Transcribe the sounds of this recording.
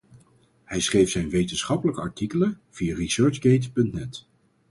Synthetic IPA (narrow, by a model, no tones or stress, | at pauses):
hɛjsχrejfsɛjnʋejtənsχɑpələkəɑɹtikələv̥ijarisøːɹd͡ʒɡejtpɵntnɛt